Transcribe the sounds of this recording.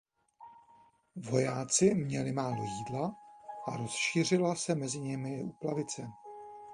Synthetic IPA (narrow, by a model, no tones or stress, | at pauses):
vo̞jaːt͡sɪmɲɛlɪmaːlo̞̰jiːdlaʔaɾo̞sʃiːr̝ɪlasɛmɛzɪɲɪmɪʔuplavɪt͡sɛ